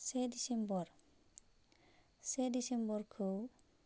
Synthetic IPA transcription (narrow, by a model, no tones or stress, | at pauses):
sed̪isembɔɾ | sed̪isembɔɾkʰow